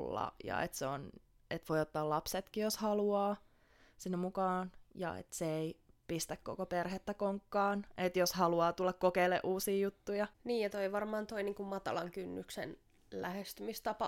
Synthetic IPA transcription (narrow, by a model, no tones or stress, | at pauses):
lːɑ̰jɑ̰ḛt̪seo̰n | et̪ʋoiot̪ːɑːlɑpset̪kijoshɑluɑː | sinːemukɑːnjɑ̰ḛt̪seeipist̪ækko̰koperhet̪ːækoŋkːɑːnʔet̪joshɑluɑːt̪ulːɑkkokeilḛʔuːsiːjut̪ːujɑniːjjɑt̪oiʋɑrmɑːnt̪oiniːŋkummɑt̪ɑ̰lɑŋkynːyksḛn | læhest̪ymist̪ɑpɑ